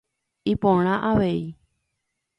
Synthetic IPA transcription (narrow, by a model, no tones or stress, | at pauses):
ipõɾ̃ãʔaʋe̞i